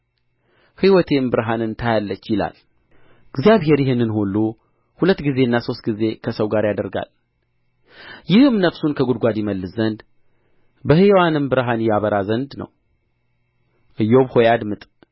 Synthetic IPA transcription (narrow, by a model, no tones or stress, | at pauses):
hiwɔt̪ʰe̞mbɨɾɦanɨnt̪ʰajalːət͡ʃːjɪla̰l | ɨɡzjaβɦe̞ɾjɪhɨnːɨnholːu | hulət̪ːɡize̞ɨnːaso̞st̪ɡize̞kʰəsəwɡaɾjad̪əɾɡa̰l | jɪhɨmnəfsunkʰəɡud̪ɡʷad̪jɪməlːɨszənd̪ | bəhiwanɨmbɨɾɦanjaβəɾazənd̪nə̰w | ʔɨjːo̞βhojad̪mɨt̪ʼ